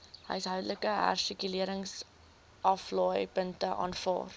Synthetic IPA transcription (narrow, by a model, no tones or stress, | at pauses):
ɦə̰jsɦœwdələkəɦɑ̰rsikyliəɾəŋs | ʔɐflɑːjpəntəʔɑ̰ːnfɑ̰ːr